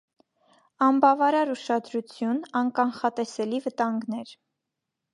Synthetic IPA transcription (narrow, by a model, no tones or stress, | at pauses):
ɑnbɑvɑɾɑɾuʃɑd̪ɾut͡sʰjunɑnkɑnχɑt̪ɛsɛlivət̪ɑŋɡnɛɾ